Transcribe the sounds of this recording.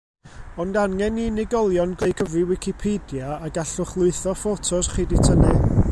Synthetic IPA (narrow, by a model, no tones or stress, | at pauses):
ɔndanːɛninɪɡɔlˠjɔnɡlejkʰəvrɨwɪkʰipʰedjaːɡaɬʊχlˠʊɨθɔfotʰɔsχiditʰənɛ